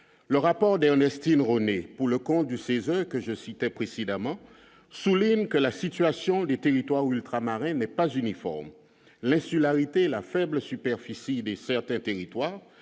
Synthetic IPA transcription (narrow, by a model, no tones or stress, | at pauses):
ləʁapɔʁd̪ɛʁnɛst̪inʁonepuʁləkɔ̃t̪̚d̪ysezœʁkəʒəsit̪ɛpχesed̪amɑ̃ | suliɲkəlasit̪yasjɔ̃d̪et̪eʁit̪waʁylt̪χamaʁɛ̃nɛpazynifɔ̰ʁm | lɛ̃sylaʁit̪elafɛbləsypɛʁfisid̪esɛʁt̪ɛ̃t̪eʁit̪waːʁ